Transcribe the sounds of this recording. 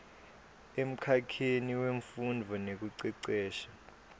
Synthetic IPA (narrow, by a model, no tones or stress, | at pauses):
em̩kʰakʰeniweɱfundʱɔnek̬uǀiǀɛːʃḁ